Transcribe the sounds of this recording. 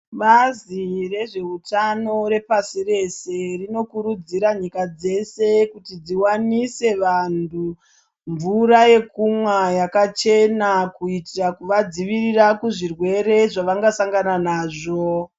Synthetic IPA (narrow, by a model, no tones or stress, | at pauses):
ɓazire̞ʐe̞utano̞ɾe̞pasire̞se̞rino̞kuɾud͡ziɾaɲikad͡ze̞se̞kutid͡ziwanise̞ʋantu | ɱvuɾaje̞kumwajakat͡ʃe̞nakuitirakuʋad͡ziʋirirakuʐirwe̞ɾe̞ʐaʋaŋɡasaŋɡananaːʐo